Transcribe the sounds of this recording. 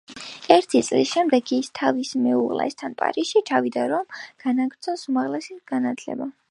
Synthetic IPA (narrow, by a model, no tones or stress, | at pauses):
ɛɾt̪ʰit̪sʼlisʃɛmd̪ɛɡist̪ʰavismɛuʁlɛ̰st̪ʰanpʼa̰ɾisʃit͡ʃʰavid̪aɾɔmɡ̥anaɡɾt̪sʰɔsumaʁlɛsiɡ̥anat̪ʰlɛ̰ba